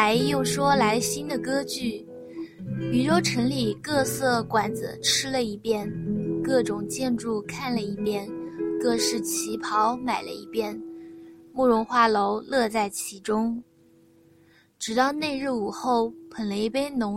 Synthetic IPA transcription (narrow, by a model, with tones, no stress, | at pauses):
a˧˥ɪjo˥˩ʊʂwɔ˥la˧˥ɪɕi˥nd̪ə˨kɤ˥t͡ɕy˥˩ | py˨˩ʈ͡ʂɔ˥ʊʈ͡ʂʰə˧˥nli˨˩kɤ˥˧sɤ˥˩kwa˨˩nd͡z̩̰˧˦ʈ͡ʂʰɻ̩˥lə˨i˧˥pjɛ˥˧nkɤ˥˩ʈ͡ʂʊ˨˩ŋt͡ɕjɛ˥˧nʈ͡ʂu˥˧kʰa˥˩nlə˩i˧˥pjɛ˥˧nkɤ˥˧ʂɻ̩˥˩t͡ɕʰi˧˥pʰɑ˧˥ʊma˨˩ɪlə̰˦ḭ˧˥pjɛ˥˧n | mu˥˩ɻʊ˧˥ŋxwa˥˩lo˧˥ʊlɤ˥˧t͡sa˥˩ɪt͡ɕʰi˧˥ʈ͡ʂʊ˥ŋ | ʈ͡ʂɻ̩˨˩t̪ɑ˥˧ʊne˥˧ɪɻɻ̩˥˩u˨˩xo˥˩ʊpʰə˧˨˩nle˧˥ɪpe˥ɪnʊ˧˥